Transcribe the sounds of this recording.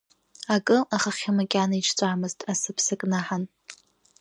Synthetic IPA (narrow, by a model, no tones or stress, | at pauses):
akʼɨaχaχʲamakʲʼanaiʈ͡ʂʰt͡sʷʼaːmɨztʼasɨpʰsɨkʼnaħan